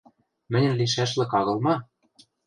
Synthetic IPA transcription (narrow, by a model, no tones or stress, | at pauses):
mɘ̆nʲɘ̆nliʃ̬æʃlɘ̆kɑɣɤ̆lˠmɑ